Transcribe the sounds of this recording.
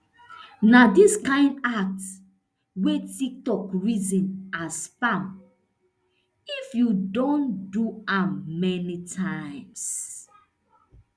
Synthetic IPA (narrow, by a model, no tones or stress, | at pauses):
nadiskãɪ̃ndak̚t | wetik̚tɔkɹizĩnaspãm | ifjudõnduãmːɛnitʰaɪ̃ms